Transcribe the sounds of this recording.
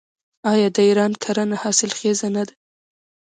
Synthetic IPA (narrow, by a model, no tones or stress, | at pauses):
ɑjɑd̪əiɾɑnkʰaɾənahɑsɪlxezanad̪a